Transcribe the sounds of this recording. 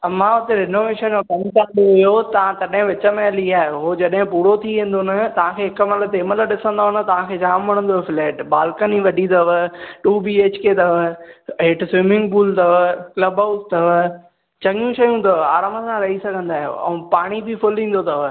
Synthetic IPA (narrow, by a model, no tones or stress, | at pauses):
mãʊt̪eɾɪnoːʋeːʃənkɐnkaːɗoɪjot̪ɐʋ̤ãt̪ɐɗɦɪ̃ʋɪt͡ɕəmẽɐliaːɦeɦod͡ʑɐɗɦɪ̃puːɾot̪ʰiʋẽːn̆d̪onɐt̪ɐʋ̤ãkʰeːɦɪkəməlt̪eːməlɗɪsə̃nd̪aːɦʊnə̆t̪ɐʋ̤ãkʰeːd͡ʑaːmːɐɽ̃ə̃nd̪oɦefleːʈbaːlkəniʋɐɖʱit̪ɐʋəʈuːbiːeːt͡ɕket̪ɐʋəɦeːʈsʋɪmɪ̃ŋɡbuːlt̪ɐʋəklɐbaʊst̪ɐʋ | t͡ɕɐŋijũʃɐjũt̪ɐʋaːɾaːməsãɾɐɦisɐɡʱə̃nd̪aːɦɪjo̰ɛ̰̃ːpaːɽ̃ibɪfʊlĩːn̆d̪ot̪ɐʋ